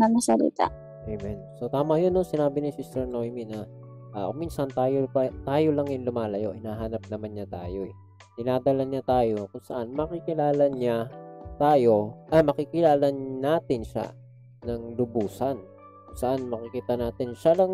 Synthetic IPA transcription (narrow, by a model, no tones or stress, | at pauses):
nɐmɐsɐlḭt̪a̰ | ʔejmɛnsot̪aːmɐjonːosɪnaːbɪnɪsist̪ɛɹnojminɐ | ʔaʔʊminsɐnt̪aːjopɐt̪aːjolɐŋjʊnlʊmaːlɐjo̰ʔɪnaːɦaːnɐp̚nɐmanɲat̪a̰ːjo̞ɛ | d̪ɪnaːd̪ɐlɐnɲat̪aːjo̞kʊŋsɐ̰ʔanmɐkɪkɪlaːlɐɲat̪aːjo̞ʔɐmɐkɪkɪlaːlɐnnaːt̪ɪnʃa̰ | nɐŋlʊbuːsɐn | kʊŋsɐʔanmɐkɪkiːt̪ɐnaːt̪ɪnʃalɐŋ